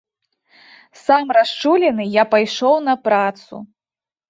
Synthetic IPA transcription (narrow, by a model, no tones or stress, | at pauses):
samrast͡ʂulʲɛnɨjapajʂɔwnɐpɾat̪sṵ